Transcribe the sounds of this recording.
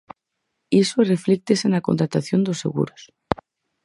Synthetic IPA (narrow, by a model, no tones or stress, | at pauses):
isoreflek̚t̪esenakont̪ɾat̪aθjond̪osːḛɣṵɾos